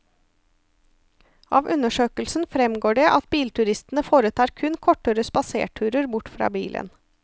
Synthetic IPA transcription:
ʔɑ̰ːʋʔʉnəʂøːkəlsn̩fɾɛmɡoːɖɛːʔɑt̪̚biːlt̪ʰʉɾɪst̪n̩əfoːɾət̪ʰɑːɾkʰʉnkʰɔʈːəɾəspɑsḛːʈʰʉːɾəɾbʊʈfɾɑ̰ːbiːlʔə̰n

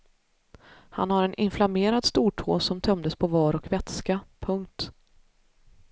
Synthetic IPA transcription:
ha̰nhaɾɛnʔɪnflameːɾad̪st̪uːʈʰo̰ːsɔmt̪ʰœmd̪əspʰɔvɑːɾɔkvɛt̪skapʰɵŋk̚t̪

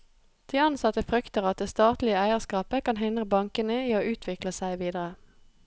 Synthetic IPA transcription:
d̪̥iːɑnsɑt̪əfʁʏkt̪əʁɑt̪̚d̪eːst̪ɑːt̪lɪəæɪəʁskɑːpəkʰɑnɦɪnd̪ʁəbɑŋkənəiːoːʔʉːt̪ʰʋɪkləsæɪʋiːd̪əʁə

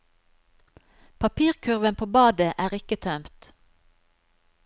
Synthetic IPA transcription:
pʰɑpʰiːʁkʰʉʁʋənpʰoːbɑːd̪əʔæːʁɪkət̪ʰœmt̪

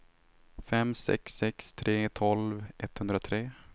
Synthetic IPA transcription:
fɛmsɛ̰ksːɛkst̪ʰɾeːt̪ʰɔlvʔɛt̪ːhɵnd̪ɾat̪ʰɾeː

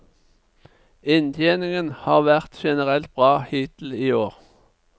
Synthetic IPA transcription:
ɪnt̪ʰjeːnɪŋənhɑːʁʋæʁt̪ʃɛnəʁɛlt̪̚b̥ʁɑːhiːt̪l̩iːoːʁ

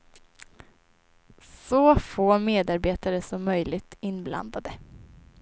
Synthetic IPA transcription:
sɔːfoːmeːd̪aɾbeːt̪aɾəsɔmːœjlɪɡ̚t̪ɪnːbla̰nd̪ad̪ə

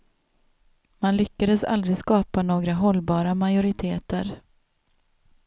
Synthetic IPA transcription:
manlʏkːad̪əsa̰ld̪ɾɪskɑːpanoːɡɾaɦɔlːbɑːɾamajʊɾɪt̪ʰeːt̪əɾ

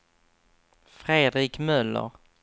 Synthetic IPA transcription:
fɾeːd̪ɾiːkmœlːə̰ɾ

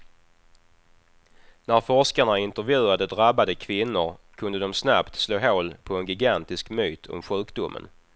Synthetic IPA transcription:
næɾfɔʂkaɳaɪnt̪əɾvjʉ̟ːad̪əd̪ɾabːad̪əkʰvɪnːʊɾkʰɵnd̪əd̪ɔmsnapt̪sloːɦoːlpʰɔɛnɡɪɡant̪ɪskmyːt̪ʰɔ̰mɧʉ̟ːkd̪ʊmːə̰n

